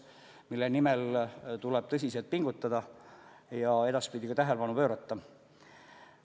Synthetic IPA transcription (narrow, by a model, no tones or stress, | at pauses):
milːenimelt̪ulɛb̥̚t̪ɤs̬ʲiselt̪̚piŋɡut̪ːˑɑd̪ɑ | jɑe̞d̪ɑspid̪ikɑt̪æɦelepɑnupø̞ːɾɑt̪ːɑ